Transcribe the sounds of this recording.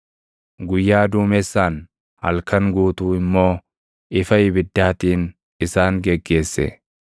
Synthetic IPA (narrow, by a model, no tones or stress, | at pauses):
ɡʊjːaːd̪uːmɛsːaːn | hɐ̰lkɐŋɡuːt̪uːɪmːo̞ː | ʔɪfɐɪbɪd̪ːaːt̪iːn | ɪsaːŋɡɛɡːe̞ːsːɛ̰